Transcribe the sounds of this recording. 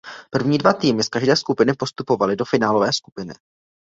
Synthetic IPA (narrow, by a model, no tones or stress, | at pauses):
pr̩vɲiːdvat̪iːmɪskaʒdɛːskupɪnɪpo̞st̪upo̞valɪdo̞fɪnaːlo̞vɛːskupɪnɪ̰